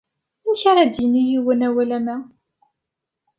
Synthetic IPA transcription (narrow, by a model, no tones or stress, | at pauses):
æçaɾæd̪jinijiwənæwælæmæ